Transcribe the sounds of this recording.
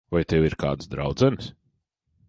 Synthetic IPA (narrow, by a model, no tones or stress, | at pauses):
vajt̪ɛwiɾka̰ːd̪sd̪ɾa̰wd̪zɛns